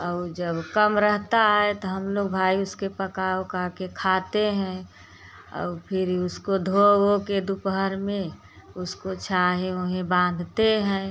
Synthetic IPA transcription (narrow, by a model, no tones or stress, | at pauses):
ɔd͡ʒəbkəmɾəɦt̪aɦɛt̪ɔɦəmloːɡ̚bʱaːiʊskepəkaokakekʰaːt̪eɦɛ̃ | ɔ̰ːpʰɪɾiʊskod̪ʱoɡoked̪ʊpɦəɾmẽ | ʊskot͡ʃʰaɦeʊɦẽbãːn̆d̪ʱt̪eɦɛ̃ː